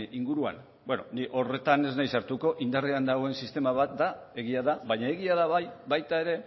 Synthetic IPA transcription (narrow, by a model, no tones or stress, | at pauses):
iŋɡuɾua̰n | bweno̰niʔo̞re̞t̪ane̞znajsaɾt̪uko̞ʔind̪areand̪aɣo̞e̞nsist̪e̞maβat̪̚d̪a | e̞ɣiaðaβaɲae̞ɣiaðaβajβajt̪ae̞ɾe̞